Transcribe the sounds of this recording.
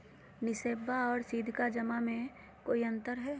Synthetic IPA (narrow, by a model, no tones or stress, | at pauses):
nɪseːbaɔːɾsiːd̪ʱkad͡ʒɐmamẽ | koːiɐ̃nt̪əɾɦɛː